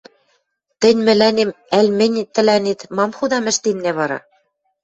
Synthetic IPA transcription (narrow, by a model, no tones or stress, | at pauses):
t̪ɘ̆nʲmɘ̆lænemælʲmɘ̆nʲt̪ːɘ̆lænit̪mɑmxud̪ɑmɘ̆ʃt̪innæβɑɾɑ̰